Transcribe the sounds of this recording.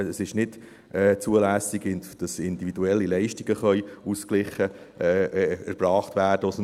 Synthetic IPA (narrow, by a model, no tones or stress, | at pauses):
əsɪʃnɪd | ɛːt͡suəlæːsiɡɪnd̥ɑsɪnd̪iʋiduɛlːilɛɪʃtiɡ̥əχœʏusklɪχːə | ɛæɾb̥ɾɑːχt̪væːɾd̥əɔs